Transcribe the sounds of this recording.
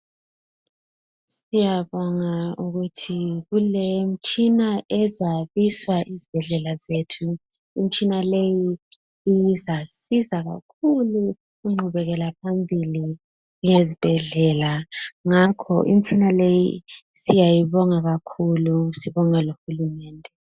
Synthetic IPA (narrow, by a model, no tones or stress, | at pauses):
sijaβɔŋauɣutʰiɣulem̩t͡ʃʼinaʔɛzaβiswaʔizib̥ʱɛɮɛlazetʰu | im̩t͡ʃʼinalejiː | jizasizaɣa̰kʰulu | ɣuŋ͡ǃuβɛɣɛlap̚ʰambʱili | jezib̥ʱɛɮɛlaŋakʰɔ̰ʔḭm̩t͡ʃʰʼinalejisijajiβɔŋaɣakʰulusiβɔŋaloxulumɛːndʱɛ